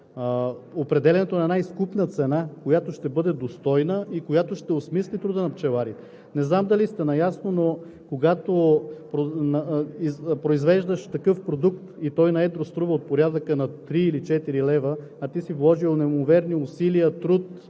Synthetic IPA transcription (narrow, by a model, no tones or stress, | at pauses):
opɾɛd̪ɛlʲɛnɛt̪onɐɛd̪aiskupnət̪sɛnakojat̪oʃt̪ɛbɤd̪ɛd̪ost̪ɔjnəʔikojat̪oʃt̪ɛosmislʲit̪ɾud̪ənɐpt͡ʃɛvaɾi | nɛznamd̪ɐlist̪ɛnɐjasnono | koɡat̪opɾonipɾoizvɛʒd̪əʃt̪ɐkɤfpɾod̪ukt̪it̪ɔjnɐɛd̪ɾost̪ɾuvəot̪̚poɾʲad̪əkənɐt̪ɾiːlit͡ʃɛt̪iɾilɛvə | ɐt̪isivlˠɔʒionɛmovɛɾniʊsiliət̪ɾut̪